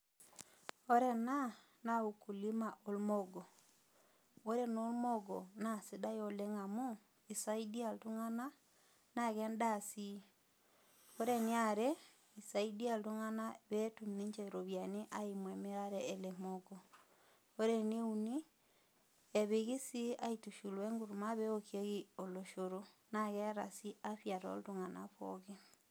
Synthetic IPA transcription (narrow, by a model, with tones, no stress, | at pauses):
o˦ɾe˦na˦ | na˨u˨ku˨li˦ma˨ʔo˦lmo˦ɡo˨ | o˦ɾe˦no˦lmo˦ɡo˨na˦˨si˦da˦jo˨le˦ŋa˨mu˦ | i˨sa˦i˦di˦a˨ltu˦ŋa˦na˦ | na˨ɣɛ˦nda˦˨si˦ | o˦ɾe˦nɪ˦a˦ɾe˦ | isaidi˦a˦lto˦ŋa˦naβɛ˦tumne˦ɲt͡ʃɛɾoβjaneʔaimwɛ˨meɾaɾɛɛlemoɡɔ | o˦ɾeneuni˦ | ɛβeɣi˦si˦aitu˨ʃulwɛ˦ŋɡu˦ɾu˨maβɛ˦okie˦ɣi˦oloʃoɾonaɣɛɾa˨si˦aɸja˨tɔ̰˦ltuŋana̰ɸɔ̰ɣe